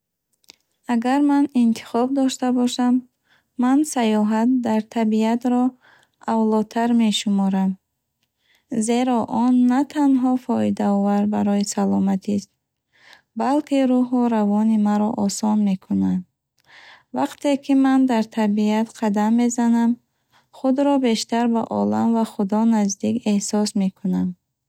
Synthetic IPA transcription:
aɡaɾmanint̪ʰi̥χɔb̚d̪ɔʃt̪abɔʃamː | ansajɔɦat̪̚d̪aɾt̪ʰabiat̪ɾɔ | avlɔt̪ʰaɾme̞ʃumɔɾam | ze̞ɾɔʔɔnːat̪ʰanɦɔfɔid̪aɔvaɾbaɾɔisalɔmat̪ʰist̪̚ | balkʰiɾuɦuɾavɔnimaɾɔ̰ʔɔsɔnme̞kʰunand̪ | vaqt̪e̞kʰimand̪aɾt̪ʰabiat̪qʰad̪amːe̞zanam | χud̪ɾɔbe̞ʃt̪aɾba̰ʔɔlamvaχud̪ɔnazd̪ike̞hsɔsme̞kʰunam

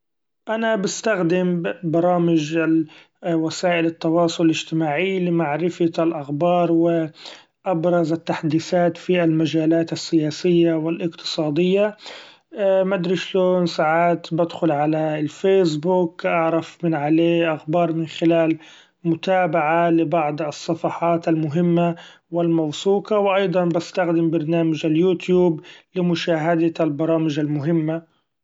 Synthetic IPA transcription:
ʔanabɪst̪axd̪ɪmbɑɾˤɑːmɪd͡ʒ | wasaːʔɪlɪt̪ːɑwɑːsˤʊlɪlɪd͡ʒt̪ɪmaːʕilɪmaʕɾɪfalʔaxbɑːɾˤwɪ | ʔabɾˤɑzat̪ːaħad̪iːsaːt̪fialmad͡ʒaːlaːt̪asːɪjaːsɪjːawɪlʔɪqt̪ɨ̥sˤɑːd̪ɪjːa | mad̪ɾiʃloːnsaʕaːt̪bɪd̪xʊlʕalalfeːs̬buːkʔɑʕɾˤɑfmɪnʕaleːʔaxbɑːɾˤmɪnxɪlaːl | mʊt̪aːbaʕalɪbɑʕd̪ˤɑsˤːɑfɑħɑːt̪almʊɦɪmːa | wɪlmawsuːqɑwʔɑjd̪ˤɑnbast̪axd̪ɪmbɑɾˤnaːmad͡ʒaljuːt̪juːblɪmʊʃaːɦad̪albɑɾˤɑːmɪʒalmʊɦɪmːa

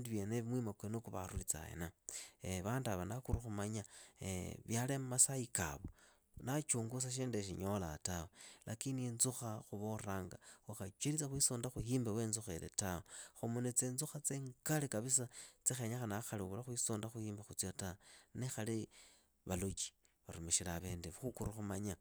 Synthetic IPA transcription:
indiβjeneβimwimakwenokuβa̰ɾulit͡sa̰ḛnaeβaːndaβanakuɾuxumaɲaḛβjalemmasaika̰βo | nat͡ʃuːŋɡus̬aʃ̬eːndeʃ̬ḭɲo̞la̰tawolʔakininzuxaxuβoraːŋɡaaxat͡ʃwelit͡saxwisoːndaxuhiːmbeweːnzuxelḛtawoxumunet͡senzuxat͡seːŋkalekaβis̬at͡sixeɲaxanaxaliβulaxwisoːndaxuhiːmbaxut͡sjotanexali | βalut͡ʃi̥ | βaɾumeʃilaβe̞ːndeβxukuruxumaɲa

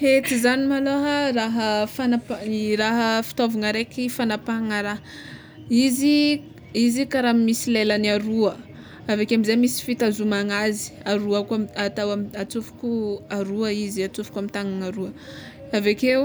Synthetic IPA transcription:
het̪izanimaloɦəraɦəfanaparaɦəfi̥t̪ovaŋəɾekifanapaaŋəɾa | izi | izikaɾamisilelanaɾuə | avakeamizemisi̥fit̪azumaŋazi̥aɾuakamat̪awamiat͡sufu̥kuaɾuəiziat͡sufu̥kamit̪aŋaŋaɾuə | avakew

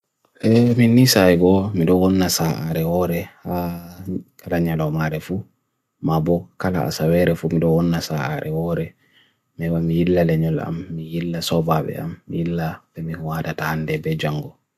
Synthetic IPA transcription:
ʔɛminisaɛɡɔmiɗɔwɔnːasaʔaɾɛhɔɾɛha | kʰalaɲalɔmaɾɛfu | mabɔkala̰a̰sawɛɾɛfumiɗɔwɔnːasaʔa̰ɾʔɛwɔɾɛ | mɛwamijilːalɛɲɔla̰mːijilːasɔbaɓɛ̰a̰mːijilːabɛmihuwatatahandɛbɛd͡ʒaŋɡɔ

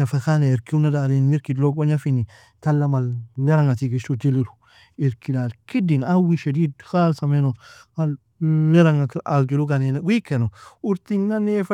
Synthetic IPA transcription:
afakaneeɾkiunadaɾinmiɾkidlokaɲafini | talːamalːeɾaŋatiɡiʃud͡ʒiliɾu | iɾkilalkidinawiʃedidxalsamenohalː | eɾaŋakaɡiluɡanenaɡʷikenouɾt̪iɲnanef

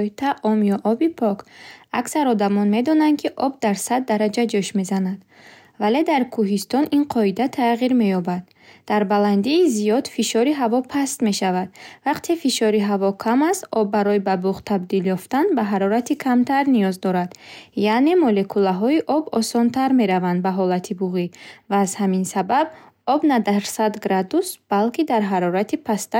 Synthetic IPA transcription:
it̪ʰaʔɔmjɔʔɔbipʰɔkaksaɾɔd̪amɔnme̞d̪ɔnand̪kʰiʔɔb̚d̪aɾsad̪̚ːaɾad͡ʒad͡ʒuʃme̞zanad̪ | vale̞d̪aɾkʰuɦist̪ɔninqʰɔid̪at̪ʰaʁiɾme̞jɔbad̪̥̚ː | aɾbaland̪iːzijɔd̪̥fiʃɔɾiɦavɔpʰast̪me̞ʃavad̪̥vaqt̪ʰefiʃɔɾiɦavɔkʰamast̪ɔbːaɾɔibabuʁt̪ʰabd̪iljɔft̪anbaɦaɾɔɾat̪ikʰamt̪ʰaɾnijɔzd̪ɔɾad̪jane̞mɔle̞kʰulaɦɔiʔɔbɔsɔnt̪ʰaɾme̞ɾavand̪baɦɔlat̪ʰibuʁivaːzhaminsabab̚ | ɔbnad̪aɾsad̪ɡɾad̪usb̥alkid̪aɾɦaɾɔɾat̪ʰipʰast̪a

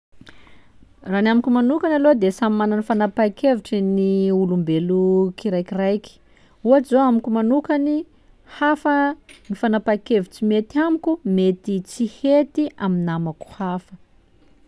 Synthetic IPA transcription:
ranamikumanukanalod̪esamimananifanapakeviʈ͡ʂiniulumbelukiɾajkirajki̥ | uazoamikumanukani | hafənifanapakeviʈ͡ʂimet̪amikumet̪it͡sihet̪iʔaminamaku̥hafə

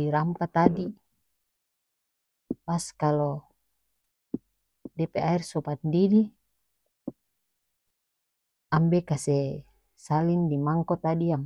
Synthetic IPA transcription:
iɾampat̪adi | paskalɔ | dɛpeairsɔpat̪ndidi | ambɛkasɛ | salindimaŋkɔt̪adiaŋ

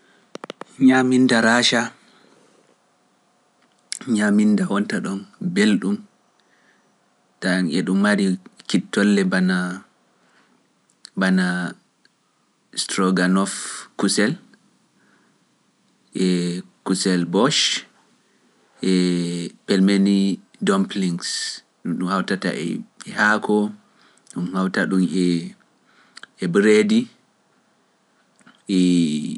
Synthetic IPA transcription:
ɲamindaɾaːʃa | ɲamindawɔntaɗɔnbelɗum | daŋɛɗumːaɾikitːɔlːɛbana | bana | stɾɔɡanɔfkusɛl | ʔɛkusɛlbɔʃ | ʔɛpɛlmeni | dɔmpliŋɡs | ɗumɗumhawtata̰ʔɛ̰ɛhaːkʰɔ | ɗumhawtaɗumɛ | ɛbɾedi | ʔɛ

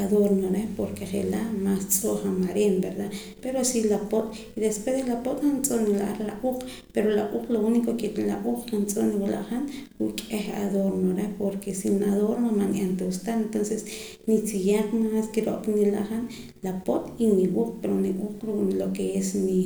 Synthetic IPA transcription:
aðoɾmnoɾepoɾkeχelaʔmast͡sʼoχamaɾenbeɾd̪a | peɾosilapot̪ʼ | iðespwesd̪elapot̪ʼant͡sʼoʔnila̰ʔaɾlaʔuq͡χ | peɾolaʔuːqlounikokelaʔuːq͡χkant͡sʼoʔniwala̰ʔχanɾuʔkʼeha̰ðoɾnoɾepoɾkesinaðoɾmamanʔant̪aust̪aent̪onses | nit͡sijaχmaskiɾoʔpnila̰ʔχan | lapot̪ʼiniwuːq͡χpeɾoniʔuːq͡χɾuʔlokeesni

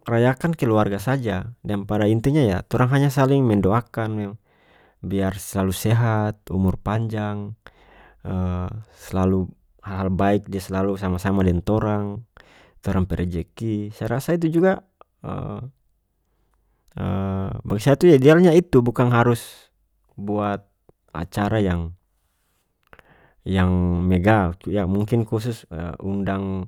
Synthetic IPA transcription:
rajakankɛluarɡasad͡ʒadanpadaint̪uɲaja̰t̪ɔɾaŋɦaɲas̬aliŋmɛndoakanmɛ | biarsəlalusɛɦat̪̚umʊrpaɲd͡ʒaŋ | əsəlalu | halɦalbaik̚diasɛlalusamasamadɛnt̪ɔɾaŋ | t̪ɔɾaŋpɛɾɛd͡ʒɛkisajaɾasait̪̬ud͡ʒuɡa | ə̰ | əbaɡisat̪ujadialɲait̪ubukaŋɦaɾʊs | buat̪̚ | a̰t͡ʃaɾajaŋ | jaŋmeɡajamuŋkɪnkus̬ʊsə̰undaŋ

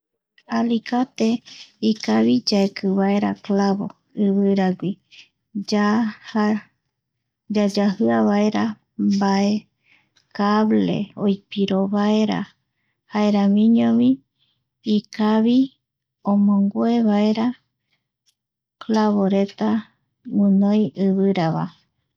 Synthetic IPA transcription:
alikat̪eikaβid͡ʒaekʰɨβae̞ɾa̰klaβo̰ | ɨβɨɾaɡʷi | d͡ʒaha | d͡ʒad͡ʒahɨaβaeɾa | mbae | kaβlḛojpiɾoβae̞ɾa̰ | haeɾamĩɲõmĩ | ikaβi | õmõŋɡoeβaeɾa | klaβoɾe̞t̪a | ŋũnõjʔɨβɨɾaβa̰

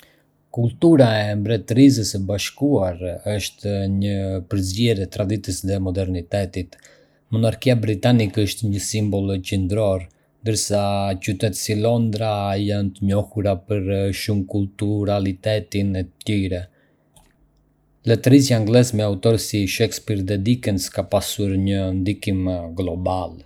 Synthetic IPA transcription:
kult̪uɾaɛmbɾɛt̪əɾiz̬əsəbaʃkuaɾəʃt̪ɲəpəɾzɟɛɾɛt̪ɾad̪it̪əsðɛmɔd̪ɛɾnit̪ɛt̪it̪ | mɔnaɾkiabɾit̪anikəʃt̪ɲəsimbɔlˠt͡ɕɛnd̪ɾɔɾ | nd̪əɾsat͡ɕyt̪ɛt̪silɔnd̪ɾajant̪əɲɔhuɾapəɾʃumkult̪uɾalit̪ɛt̪inɛt̪ət̪iɾɛ | lɛt̪əɾisjaŋɡlɛsmɛaut̪ɔɾsiʃɛkspiɾðɛd̪ikɛnskapasuɾɲənd̪ikimɡlɔbal

